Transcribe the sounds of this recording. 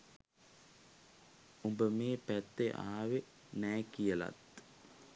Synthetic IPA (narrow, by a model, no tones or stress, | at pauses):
umbəmeːpæt̪ːeʔa̰ːʋe | næːkijəlɐ̰t̪